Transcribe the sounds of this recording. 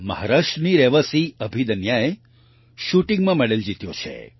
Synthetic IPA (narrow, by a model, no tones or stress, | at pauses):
məɦaɾaːʃʈəniɾeʋəsiəbʱid̪ənjae | ʃuʈiŋɡmãmɛɭeld͡ʒit̪jot͡ʃʰḛ